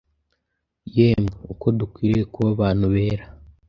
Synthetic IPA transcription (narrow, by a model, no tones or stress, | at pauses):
jeːmeuko̞dukwiːɾiekuβaβaːn̥uβe̞ːɾa